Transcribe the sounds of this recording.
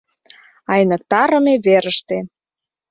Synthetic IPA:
ɑjnək̚t̪ɑɾə̆meβeɾəʃt̪e

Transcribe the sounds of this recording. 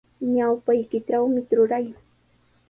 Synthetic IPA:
ɲawpajkɪʈ͡ʂawmɪɾʊɾaj

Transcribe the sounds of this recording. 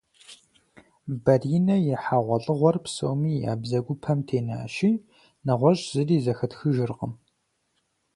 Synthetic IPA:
bɐriːnɐjɛħaːʁʷɔɬʼɨʁʷɔrpso̰wmiːja̰ːbzɐɡʷʊpʰɐmtʰeːna̰ːʃiː | nɐʁʷɔɕʼz̥ɨriːzɐxɐtxɨʒɪrqəm

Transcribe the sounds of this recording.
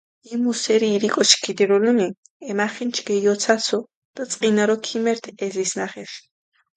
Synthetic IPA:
imusɛɾiːɾikʼɔʃkʰid̪ɛɾɔlumi | ɛmaχint͡ʃʰɡɛjɔt̪sʰasʰɔ | d̪̥at͡s̪ʼqʼinaɾɔkʰimɛɾt̪ʰɛzisnaχɛʃi̥

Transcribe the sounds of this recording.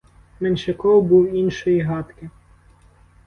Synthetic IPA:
menʃɪkɔwbuwinʃɔjiɦɑt̪kɪ

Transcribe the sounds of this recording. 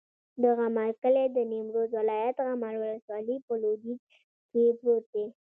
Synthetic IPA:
d̪aɣamaɾkəled̪ənimɾozwɪlɑjat̪ɣamaɾwaləswɑlipəlod̪i | kepɾot̪̚d̪e

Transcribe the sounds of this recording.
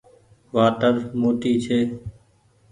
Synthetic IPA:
ʋaːʈəɾmoːʈiːt͡ʃʰeː

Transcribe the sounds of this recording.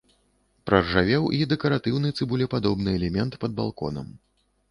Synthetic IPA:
pɾɐrʐavʲɛwid̪ɛkɐɾat̪ɨwnɨjt̪sɨbulʲɛpad̪ɔbnɨɛlʲɛmʲɛnt̪pɐd̪̚ba̰lˠkɔ̰nɐ̰m

